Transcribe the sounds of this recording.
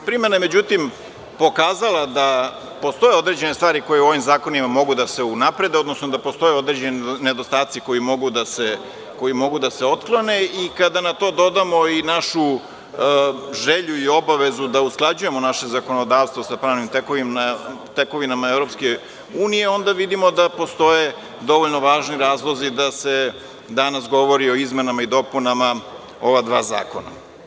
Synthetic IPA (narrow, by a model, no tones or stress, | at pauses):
pɾimename̞d͡ʑut̪im | po̞kaːzalad̪a | po̞st̪o̞jeo̞d̪ɾe̞d͡ʑe̞nest̪ʋaːɾiko̞jeuo̞ʋimzaːko̞nimamo̞ɡud̪ase̞unapɾe̞d̪e̞od̪nosnod̪apo̞st̪o̞jeo̞d̪ɾed͡ʑenne̞d̪ost̪aːt̪siko̞imo̞ɡud̪ase | ko̞jimo̞ɡud̪aseo̞t̪klˠone̞ikad̪anat̪o̞ːd̪o̞d̪amo̞inaʃu | ʒeʎuio̞baʋe̞zud̪ausklˠad͡ʑuje̞monaʃe̞zako̞nod̪aːʋst̪vʋosapɾaːʋnimt̪eko | t̪ekoʋinamaevɾo̞pske | uːnije̞o̞nd̪aʋid̪imo̞d̪apo̞st̪o̞je̞ | d̪o̞ʋoʎno̞ʋaːʒniɾaːzlˠo̞zid̪ase | d̪anasɡo̞ʋoɾio̞izmenamaid̪o̞punama | o̞ʋad̪ʋaːza̰ːko̞na̰